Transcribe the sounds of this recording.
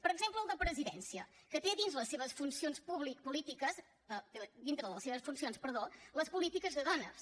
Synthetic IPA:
pəɾəɡzempləːlˠd̪əpɾəziðɛ̰nsiəkət̪eðinzləsːeβəsfunsionspuβlikpulit̪ikəz | ət̪d̪int̪ɾəðəlˠəseβəsfunsionspəɾðoləspulit̪ikəzðəðɔnə̰s

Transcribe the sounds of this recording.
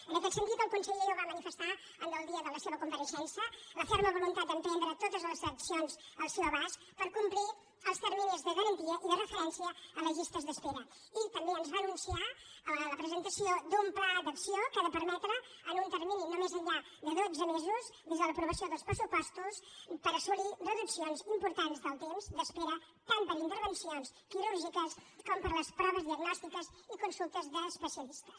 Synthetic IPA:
ənəkɛt̪sənt̪it̪əlˠkunsəʎeoβamənifəst̪a | ənəlˠd̪iəðələseβəkumpəɾəʃɛnsjələfoɾməβulunt̪at̪̚d̪ənt̪ɛnd̪ɾət̪ot̪əzləzəksionzəlˠsewəβas | pəɾkumpli | əlˠst̪əɾminizðəɣələnt̪iəʔiðərəfəɾɛnsiəːləʒist̪əzðəspeɾə | it̪əmbeənzβanunsia | ələpɾəzənt̪əsiod̪umplad̪əksiokəðəpəɾmɛt̪ɾə | ənunt̪əɾmininomezəʎʎa | ðəðozəmezuzðezðələpɾuβ̞əsioðəlˠspɾəsupɔst̪uspəɾəsulirəðupsionzimpuɾt̪anzðəlˠt̪emzd̪əspeɾə | t̪ampəɾint̪əɾβənsionskiɾuɾʒikəskɔmpəɾləspɾɔβəzðiəɡnɔst̪ikəzikunsulˠt̪əzðəːspəsiəlist̪ə̥s

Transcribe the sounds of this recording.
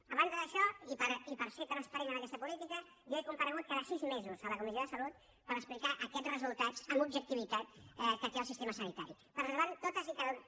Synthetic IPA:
əβand̪əðəʃɔipəɾipəɾfet̪ənəspəɾinənəkɛst̪əpulit̪ikə | joɛkumpəɾəɣ̞ut̪̚kaðəsizmezuzələkumisioðəsəlut̪̚ | pəɾəksplikaʔəkɛrəzulˠt̪at͡səmubʒək̚t̪iβ̞it̪at̪ɛkət̪eəlˠsist̪eməsənit̪aɾi | pəɾləβant̪ot̪əzik̪əð

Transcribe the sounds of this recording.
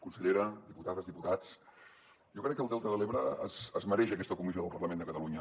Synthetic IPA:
kunsəʎeɾəd̪iput̪aðəzðiput̪at͡s | jɔkɾɛkːəlˠt̪ɛlˠt̪əðəleβɾəə̰səzməɾɛʃəkɛst̪əkumizioðəlˠpərləmend̪əkət̪əluɲə

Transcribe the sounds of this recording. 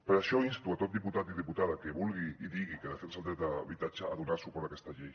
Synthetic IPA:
peɾaʃoinst̪uat̪ot̪̚d̪iput̪at̪iðiput̪aðakeβulɣiiðiɣ̞ikeðafensald̪et̪aβit̪at͡ʃaːðunaɾsupoɾakest̪aʎej

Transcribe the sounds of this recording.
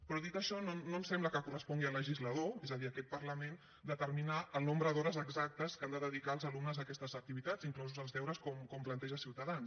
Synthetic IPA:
pɾɔðit̪əʃɔnonoəmsɛmbləkəkurəspɔŋɡiələʒizləðoɛzəðiəkɛt̪̚pərləmen | d̪ət̪əɾminaəlˠnombɾəðɔɾəzəɡzak̚t̪əskand̪əðəðikaəlˠzəlumnəzðəkɛst̪əzək̚t̪iβit̪aziŋklɔzuzəlˠzðɛwɾəskɔmkɔmplənt̪ɛʒəsiwt̪əðans

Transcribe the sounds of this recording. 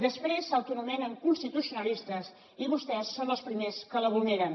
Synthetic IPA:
d̪əspɾesəwt̪unumɛnəŋkunst̪it̪usjunəlist̪əs | iβust̪ɛsːonəlˠspɾimeskələβulneɾən

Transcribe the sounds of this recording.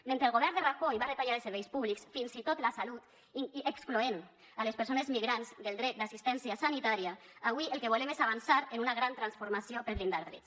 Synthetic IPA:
mẽnt̪ɾelˠɣoβɛɾnd̪eraxoiβaðet̪aʎaɾlseɾβejspuβliksfinzit̪ot̪lasalut̪ | iiekskloen | alespeɾsonezmiɣɾanzd̪elˠd̪ɾɛt̪̚d̪asist̪ɛnsiasanit̪aɾiaaβwielˠkeβ̞olemezaβ̞ansaɾenunaɣ̞ɾant̪ɾansfoɾmasiopeɾβɾind̪aɾðɾɛt̪s

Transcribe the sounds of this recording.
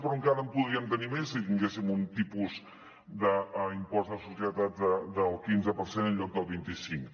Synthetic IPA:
pɾuŋkaɾəmpuðiəmt̪ənimesit̪iŋɡesimunt̪ipuz | d̪əimpɔzðəsusjət̪at̪̚d̪əd̪əlˠkinzəpəɾsenənʎɔk̚d̪əlˠβint̪isiŋk

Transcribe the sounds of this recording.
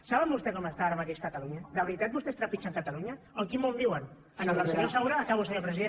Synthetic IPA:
saβəmbust̪ekɔməst̪aaɾəmat̪eʃkət̪aluɲad̪əβəɾit̪at̪̚bust̪est̪ɾapit͡ʃaŋkat̪aluɲa | oŋkimõmbiwən | ənəəɾseosawɾaːkaβusəɲoɾpɾəziðe

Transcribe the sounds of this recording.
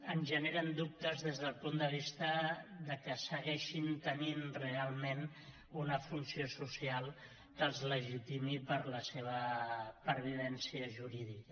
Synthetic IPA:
ənʒəneɾənd̪up̚t̪əzðezðəlˠpund̪əβ̞ist̪əðəkəsəɣɛʃint̪əninrealˠmen | unəfunsiosusialˠ | kəlˠzləʒit̪imipəɾləseβ̞əpəɾβiðɛnsiəʒuɾiðikə

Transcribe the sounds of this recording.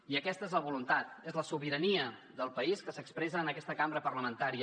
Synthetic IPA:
iəkɛst̪əezləβulunt̪at̪ezləsuβiɾəniə | ðəlˠpəiskəsəkspɾɛzəːnəkɛst̪əkambɾəpəɾləmənt̪aɾiə

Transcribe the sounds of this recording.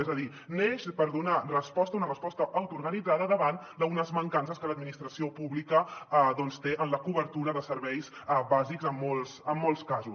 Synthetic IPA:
ɛzəði | neʃpəɾðunərəspɔst̪əunərəspɔst̪əʔːwt̪uɾɣənid͡zaðəðəβand̪əunəzməŋkansəskələd̪̚minist̪ɾəsiopuβlikəðɔnst̪eʔənləkuβəɾt̪uɾəðəsəɾβɛjsbazikzəmːɔlˠsəmːɔlˠskazu

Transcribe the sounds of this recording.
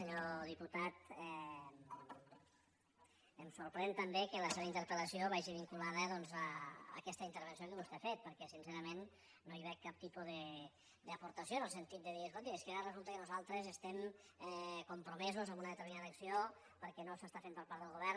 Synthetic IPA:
səɲoðiput̪at̪ɛ | əmsuɾpɾɛnt̪əmbekələseβəint̪əɾpələsioβaʒiβiŋkulaðəðɔnzəə̰kɛst̪əint̪əɾβ̞əns̬iokəβust̪eafet̪̚pəɾkɛsinseɾəmen | nːoiβɛkkːap̚t̪ipuðə | d̪əːpuɾt̪əsjonəlˠsənt̪it̪̚d̪əðiɾeskolt̪ieskəaɾərəzulˠt̪əkənuzalˠt̪ɾəzəst̪ɛm | ɛkumpɾumɛzuzəmunəðət̪əɾminaðəːksio | pəɾkɛnosəst̪afempəɾpaɾtd̪əlˠɣuβɛɾ

